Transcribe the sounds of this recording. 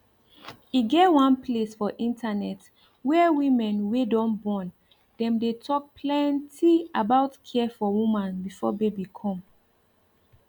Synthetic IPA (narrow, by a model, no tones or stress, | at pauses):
iɡɛtwãnplesfɔʔĩntʰanɛt | wɛwĩmɛ̃nwedɔ̃nbɔ̃n | d̥ɛ̃mdetʰɔk̚pʰlɛ̃ntiabaʊtkʰɛfɔwũmãnbifɔbebikʰɔ̃m